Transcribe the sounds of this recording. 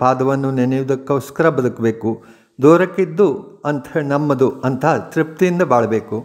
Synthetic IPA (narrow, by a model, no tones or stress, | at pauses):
paːd̪ɐʋɐnːunenɐjud̪ɐkːɐwskɐɾɐbɐd̪ɐkɐbe̞ːku | d̪oːɾɐkːid̪ːuɐnt̪enɐmːɐd̪uɐnt̪ʰɐɦɐt̪ɾipt̪ijind̪ɐbaːɭɐbeːku